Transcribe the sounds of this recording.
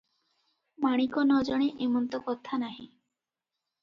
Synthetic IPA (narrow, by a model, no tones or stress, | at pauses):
maɽ̃ikonɔd͡ʒɔɽ̃eʔemɔnt̪okɔt̪ʰanaɦĩ